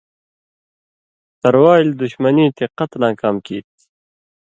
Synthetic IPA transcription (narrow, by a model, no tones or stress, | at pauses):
t̪ɐɾwaːjld̪uɕmʌniːt̪iqʌt̪lãːkaːmkiːt̪̚